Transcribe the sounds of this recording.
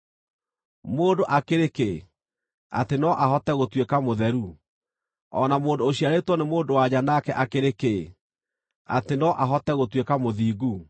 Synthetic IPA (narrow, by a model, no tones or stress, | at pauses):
moːndoʔakeɾeke | a̰tenɔʔaɦɔtɛɣotwekamoðɛɾu | ɔ̰namoːndoːɕiaɾetwɔnemoːndowad͡ʑanakɛʔakeɾeke | a̰tenɔʔaɦɔtɛɣotwekamoðiːɡu